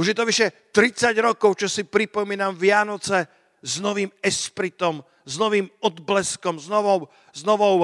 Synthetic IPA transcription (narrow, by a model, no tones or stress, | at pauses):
uʒjɛt̪ɔʋiʃɛ | t̪ɾit͡saɟɾɔkɔʊt͡ʃɔsipɾipɔmiːnamʋɪanɔt͡sɛ | znɔʋiːmɛspɾit̪ɔm | znɔʋiːmɔd̪blɛskɔmznɔʋɔʊ | znɔʋɔʊ